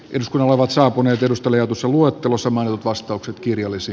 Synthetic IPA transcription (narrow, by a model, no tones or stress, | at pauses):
ʔeduskunːɑloleʋɑt̪sɑːpuneːt̪edust̪ɑlejɑt̪usːɑluoet̪ːelosːɑmɑint̪ut̪ʋɑst̪ɑukset̪kirjɑlːisi